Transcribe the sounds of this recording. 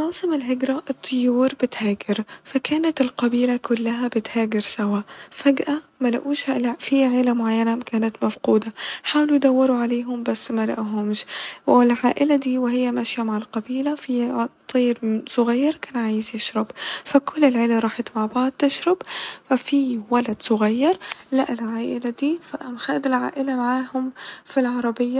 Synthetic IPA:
mawsˤɨmɪlɦɪɡɾˤaʔɨt̪ˤʰːʊjːuːɾbɪt̪haːɡɪɾfakaːnat̪ɪlqabiːlakʊlːaɦabɪt̪haːɡɪɾsawaːfaɡʔamala̰ʔuːʃlafiʕɪːlamʊʕajːanakaːnat̪mafquːd̪aħaːwlujd̪awːɪɾuʕaleːɦʊmbasːmalaʔɦʊmʃwɪlʕaːʔɪlad̪iːwɪɦɪjːamaʃjamaʕalqɑbiːlafit̪ˤiːɾsˤʊɣajːɑɾˤkaːnʕaːjɪzjɪʃɾɑbfakʊlːɪlʕɪːlaɾˤɑːħat̪maʕbɑʕd̪̚t̪ɪʃɾˤɑbfafiwalad̪sʊɣajːɑɾˤlaʔɪlʕaːʔɪlad̪iːfaʔmxaːd̪ɪlʕa̰ːʔɪlamaʕaːhʊmfilʕɑɾˤɑbɪjːa

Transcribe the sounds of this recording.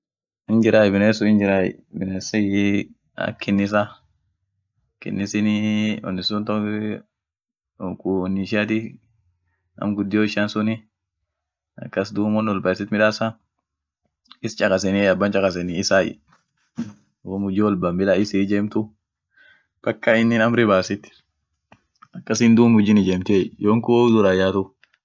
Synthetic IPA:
ɪnd͡ʒɪɾaːjbɪneːsʊɪnd͡ʒɪɾajɛ̰bɪneːsɐ | ɐ̰kʰːɪnːɪs̬a | kɪ̰nːɪsɪnɪɔ̰nːɪsʊnt̪ɔ | kuɔnːɪʃɪat̪ɪ | ɐ̰mɡʊd̪ːɪjoːɪʃansʊnɪ | ɐ̰kːɐsd̪uːmɔnːwɔlbɐsɪt̪mɪᶑaːsa | ɪst͡ʃʼɐkʼɐsɛniɐbːɐnt͡ʃʼɐkʼɐs̬ɛnɪɪsaːɪ̰ | ʊmʊd͡ʒɪwɔlbɐmbɪlaɪsɪd͡ʒɛːmt̪ʊ | b̥ɐkːaɪnːɪnɐmɾɪbaːsɪt̪ː | ɐkːɐsɪnd̪uːmʊd͡ʒɪnɪd͡ʒɛmt̪eːjoːŋkʊd̪ʊɾɐjaːt̪ʊ

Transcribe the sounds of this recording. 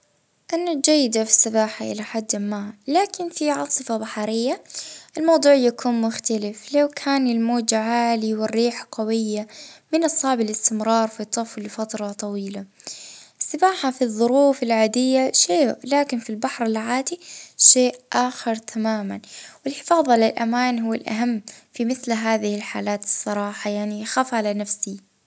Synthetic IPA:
ʔanːad͡ʒajːɪd̪afi̥sːɪbaːħaʔɪ̰laħad̪ːmaːhalaːkɪnfiʕɑsˤɨfabaħɑɾɪjːaʔɪlmɑwd̪ˤuːʕjakʰuːnmʊxt̪alɪflawkʰaːnɪlmoːd͡ʒaʕaːliwɪrːiːħqawɪjːamɪnʔɑsˤɑːʕbɪlɪst̪ɪmɾˤɑːɾˤfit̪ˤːɑflɪfat̪ɾˤɑt̪ˤɑwiːla | sɪbaːħafiðˤːʊɾuːfɪlʕaːd̪ɪjːaʃeːʔlaːkɪnfilbaħɾˤɪlʕaːd̪iʃeːʔʔaːxɪɾˤt̪ʰamaːmanwɪlħɪ̥fɑːðˤɑlɪlʔamaːnɦʊwːalʔa̰ɦamːfimɪθlɦaːðɪhɪlħaːlaːt̪ɨ̥sˤːɑɾˤɑːħɑjaʕnixaːfʕalanafsi

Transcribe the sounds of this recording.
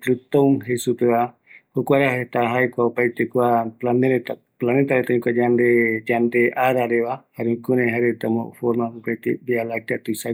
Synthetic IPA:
klut̪oŋɦesupeβa | hukuaɾaɦet̪aɦajkʷaopait̪ekuaplaneɾet̪a | planet̪aɾet̪aɲĩkuad͡ʒand̪ed͡ʒand̪eʔaɾaɾeβahaɾekunẽɦaɾet̪amo̰foɾmaupajt̪ebialat̪iat̪uisa

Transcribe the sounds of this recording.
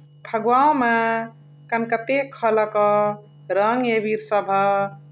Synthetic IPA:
bʰʱəɡwaõma | kənkət̪ekʰələkɔ | ɾəŋɡebiɾsəbʱə

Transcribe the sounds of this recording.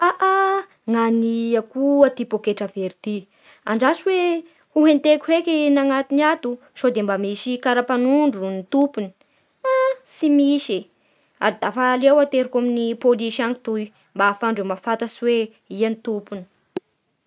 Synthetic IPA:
aʔa | ŋaniakuat̪ipokeʈ͡ʂəveɾit̪i | a̰ɳɖ͡ʐasiwe | huɦent̪ekʲu̥hekinaŋat̪iniat̪u | sod̪embamisikaɾapanuɳɖ͡ʐunit̪upuni̥ | asimiʃe | a̰ɾid̪afalewat̪eɾikaminipoliʃaŋi̥t̪uj | mbafaɳɖ͡ʐemafat̪aswe | ianit̪upuni̥ə̥

